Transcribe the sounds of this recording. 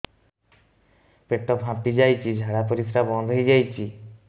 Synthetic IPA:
peʈːɔpɦãpid͡ʒajt͡ʃʰid͡ʒʱaɽapoɾifʰɾabɔnd̪ʱɦijd͡ʒajt͡ʃʰi

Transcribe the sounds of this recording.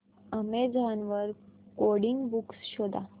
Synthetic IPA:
əmed͡zanʋəɾkoɽiŋɡbuksɕod̪ʱa

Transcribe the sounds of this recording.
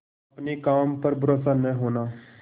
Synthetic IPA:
ɐpnikaːmpəɾbɾosanə̃ɦoːnaː

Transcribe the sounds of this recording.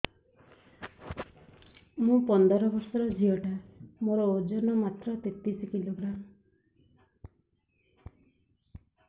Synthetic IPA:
mũpɔnd̪ɔɾɔbɔɾsɔɾɔd͡ʒʱiɔʈamoɾɔod͡ʒɔnɔmat̪ɾɔt̪et̪isikiloɡɾam

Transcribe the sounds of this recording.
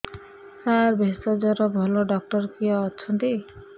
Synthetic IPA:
saɾbʱest̪ɔd͡ʒɔɾɔbʱɔlɔɖɔk̚ʈɔɾkiɔːt͡ʃʰɔnt̪i

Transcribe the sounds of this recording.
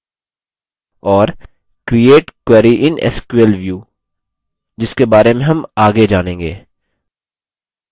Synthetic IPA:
ɔːɾ | kɾieːʈkwɛːɾiʔɪnɛ̰skwəlʋjuː | d͡ʒɪskebaːɾemẽɦɐmaːɡed͡ʒaːnẽːŋɡeː

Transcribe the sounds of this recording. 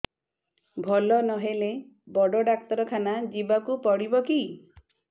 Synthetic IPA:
bʱɔlɔnɔɦele | bɔɖɔɖak̚t̪ɔɾɔkʰanad͡ʒibakupɔɽibɔki

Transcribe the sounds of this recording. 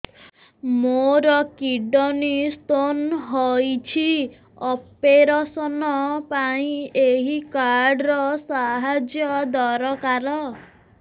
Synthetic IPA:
moɾɔkiɖɔnist̪onɦɔjt͡ʃʰi | ɔpeɾasɔnɔpaĩeɦikaɾɾɖɾɔsaɦad͡ʒjɔd̪ɔɾɔkaɾɔ

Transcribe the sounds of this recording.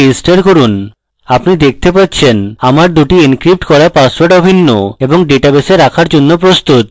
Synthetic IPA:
isʈeɾkoɾun | apnid̪ek̚ʰt̪epatːɕʰenamaɾd̪uʈiinkɾip̚ʈkɔɾapasoɾʈɔbʱinːo̰eboŋɖeʈabeseɾakʰaɾd͡ʑonːopɾost̪ut̪̚

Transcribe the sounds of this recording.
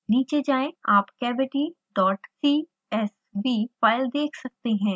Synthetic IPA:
niːt͡ʃed͡ʒaːẽaːpkɛːbɪʈi | ɖɔːʈsiː | ɛs | ʋiːfaːɪld̪eːkʰsɐk̚t̪eɦɛ̃ː

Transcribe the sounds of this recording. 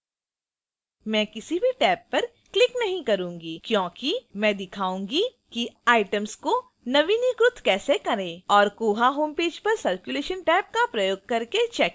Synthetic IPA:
mɛ̃ːkɪsibʱiʈɛːpːɐɾ | klɪknɐɦĩkɐɾũːŋɡikjõːkimɛ̃ːd̪ɪkʰaːũːŋɡikiaːɪʈəmsko | nɐʋiniɡɾʊt̪ʰkɛːsekɐɾẽːɔːɾkuːɦaɦoːmpeːd͡ʒpɐɾsɐɾkjʊleːʃənʈɛːp̚kapɾɐjoːɡ̚kɐɾket͡ʃɛːk

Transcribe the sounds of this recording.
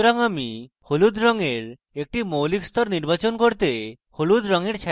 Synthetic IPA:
ɾɔŋami | holud̪ɾɔŋeɾ | ek̚ʈimowlikst̪ɔɾniɾbat͡ɕonkoɾt̪e | holud̪ɾɔŋeɾt͡ɕʰa

